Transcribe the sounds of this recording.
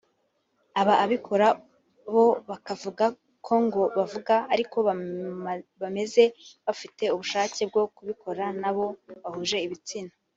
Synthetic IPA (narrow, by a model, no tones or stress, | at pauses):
aβaːβikʰo̞ɾa | βo̞βakavuɡa | kʰo̞ŋɡo̞βavuɡaːɾiko̞ | βame̞ze̞βafite̞uβuʃaːce̞b̚ɡo̞kuβikʰo̞ɾanaβo̞βahuʒe̞iβit͡sina